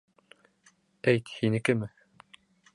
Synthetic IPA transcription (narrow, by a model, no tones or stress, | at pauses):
æjt̪hinɘ̆kɘmɘ